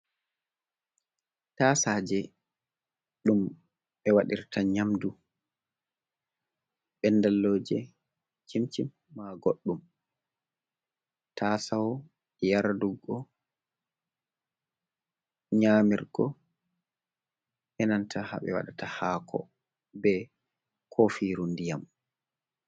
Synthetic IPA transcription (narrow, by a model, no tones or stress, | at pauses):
tasaːd͡ʒɛ | ɗum | ɓɛwaɗiɾtaɲamdu | ɓɛndalːoːd͡ʒɛ | t͡ʃimt͡ʃimːaɡoɗːum | tʰaːsawɔ | jaɾduɡɔ | ɲamiɾɡɔ | ʔɛnantʰaha̰ɓɛ̰wa̰ɗatahaːkʰɔ̰ | bɛ | kʰofiɾundijam